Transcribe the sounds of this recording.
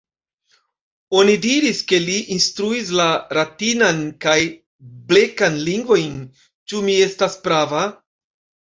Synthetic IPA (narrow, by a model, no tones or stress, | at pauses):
o̞nidiɾiske̞liʔinstɾuis̬laɾatinankaj | ble̞kanliŋɡvo̞jn | t͡ʃumie̞staspɾava